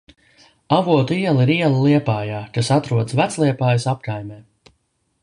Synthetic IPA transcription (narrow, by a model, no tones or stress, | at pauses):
avuɔt̪uiɛlˠiɾiɛlˠəlˠiɛpaːjaːkasat̪ɾuɔd̪svæt̪slˠiɛpaːjsapkajmɛː